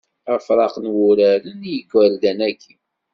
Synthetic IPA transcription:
əfɾˤɑqnwʊɾæɾənjəɡwəld̪ænækʰːi

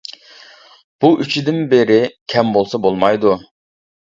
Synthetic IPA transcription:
b̥uʔyt͡ʃʰid̪ɪnbeɾɪkʲʰɛmbolˠsɑbolˠmɑjd̪u

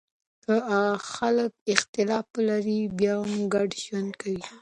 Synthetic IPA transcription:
kəaɣaxalək̚ɪxt̪ɪlɑflaɾibjɑhamɡaɖʒwand̪kʰawi

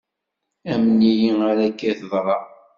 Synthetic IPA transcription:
æmənijiŋaɾækːæθəðˤɾˤɑ

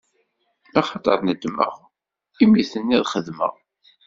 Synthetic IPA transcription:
ɑχɑt̪ˤəɾˤnəd̪mə̰ʁ | imiθənːiðχəðmə̰ʁ

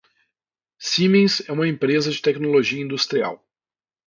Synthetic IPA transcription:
simẽj̃sɛũmɐẽmpɾezɐd͡ʒɪt̪ɛknoloʒiɐĩnd̪ust̪ɾia̰w

